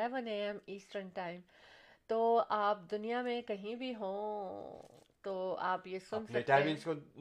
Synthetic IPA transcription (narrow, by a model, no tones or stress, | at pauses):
ɛʋəneːɛmiːsʈəɾnʈaːɪ̃m | t̪oːʔaːp̚d̪ʊnijamẽkɐɦĩbʱiɦõ | t̪oːa̰ːpjesʊ̃nsɐkʈaĩnsko